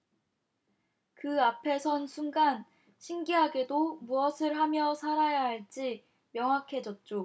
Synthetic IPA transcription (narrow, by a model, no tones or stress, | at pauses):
kɯapʰe̞sʰʌnsʰuŋɡan | ɕʰiŋɡiɦaɡe̞domuʌsʰɯɭɦamjʌsʰaɾajaɦaɭt͡ɕ͈i | mjʌŋɦakʰe̞d͡ʑʌt̚t͡ɕ͈o